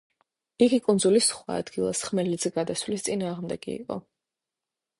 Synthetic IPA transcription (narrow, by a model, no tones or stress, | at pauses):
iɡikʼund̪zulisχwa̰ːd̪̥ɡilˠa̰sχmɛlid̪zɛɡad̪aswlist̪sʼinaːʁmd̪ɛɡ̥ḭːqʼɔ̰